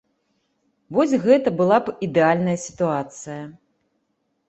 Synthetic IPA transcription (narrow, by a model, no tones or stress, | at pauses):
vɔsʲɣɛt̪ɐbɨlˠapid̪ɛalʲnɐjɐsʲi̥t̪uat̪sɨjɐ